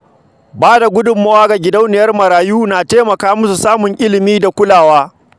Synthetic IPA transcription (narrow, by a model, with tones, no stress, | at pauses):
baː˦da˨ɡʷʊ˦dʊ˨mːɐ˦waː˦ɡa˨ɡʲɪ˨dɐ˦wnɪ˨jɐ˦rmɐ˨ɾaː˨juː˦naː˨teː˦mɐ˨kaː˦mʊ˦su˨saː˦mʊ˨ŋʔɪ˦lɪ˨miː˦da˨kʷʊ˦laː˨waː˦